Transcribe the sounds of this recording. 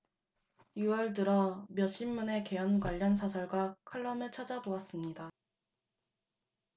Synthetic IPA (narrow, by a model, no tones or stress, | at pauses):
juwʌɭt̬ɯɾʌmjʌɕ͈ʰimːune̞ke̞ʌnɡwaʎːʌns̬ʰasʰʌɭɡwakʰɯɭːʌmet͡ɕʰad͡ʑaboas͈ɯmɲida